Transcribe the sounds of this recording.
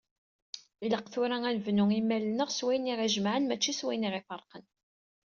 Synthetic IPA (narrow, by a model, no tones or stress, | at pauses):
iləqθʊɾæænvnʊimːælnəʁswæjəniʁæʒmʕənmæt͡ʃːiswæjniʁifəɾˤqən